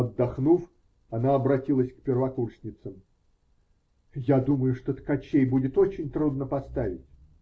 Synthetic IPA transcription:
ɐd̪ːɐxnuf | ɐnaɐbɾɐtʲilˠəsʲkpʲɪrvɐkurʂʲnʲɪt̪səm | jad̪uməjʊʂt̪ot̪kɐt͡ɕejbudʲɪt̪o̞t͡ɕɪnʲt̪ɾud̪nəpɐst̪avʲɪ̰tʲ

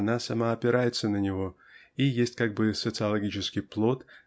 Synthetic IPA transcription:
nasɐmaɐpʲɪɾajɪt̪sənənʲɪvo̞ | ijesʲtʲkaɡ̚bɨsət̪sɨɐlˠɐɡʲit͡ɕɪskʲɪjplˠo̞t̪

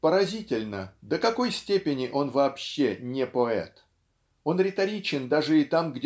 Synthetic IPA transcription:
pəɾɐzʲitʲɪlʲnəd̪əkɐko̞jsʲtʲepʲɪnʲɪʔo̞nvɐːpɕːenʲɪpoɛ̰t̪ | o̞nɾʲɪt̪ɐɾʲit͡ɕɪnd̪aʐɨɪt̪amɡdʲ

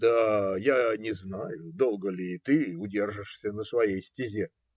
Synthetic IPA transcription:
d̪ajanʲɪznajʊd̪o̞lˠɡəlʲɪt̪ɨʊdʲe̞rʐɨʂsʲənəsvɐjejsʲtʲɪzʲe

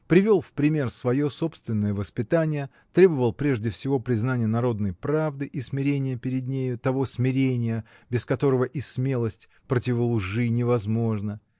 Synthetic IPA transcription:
pɾʲɪvʲo̞lˠfpɾʲɪmʲe̞rsvɐjo̞so̞pst̪vʲɪnːəjəvəspʲɪt̪anʲɪjə | t̪ɾʲebəvəlˠpɾʲe̞ʐdʲɪfsʲɪvo̞pɾʲɪznanʲɪjənɐɾo̞d̪nəjpɾavd̪ɨʔismʲɪɾʲenʲɪjəpʲɪɾʲɪd̪nʲejʊt̪ɐvo̞smʲɪɾʲenʲɪjə | bʲɪskɐt̪o̞ɾəvəʔismʲe̞lˠəsʲtʲ | pɾətʲɪvəlˠʊʐɨnʲɪvɐzmo̞ʐnə

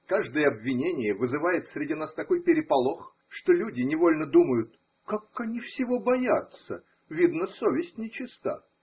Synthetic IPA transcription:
kaʐd̪əjəɐbvʲɪnʲenʲɪjəvɨzɨvajɪt̪sɾʲɪdʲinast̪ɐko̞jpʲɪɾʲɪpɐlˠo̞x | ʂt̪olʲudʲɪnʲɪvo̞lʲnəd̪uməjʊt̪̚ | kakɐnʲifsʲɪvo̞bɐjat̪sə̰ | vʲid̪nəsovʲɪsʲtʲnʲɪt͡ɕɪst̪a̰

